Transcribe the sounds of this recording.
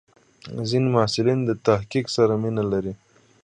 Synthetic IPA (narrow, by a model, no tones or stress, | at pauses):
zinimasɪlind̪ət̪ahkiksaɾaminalaɾi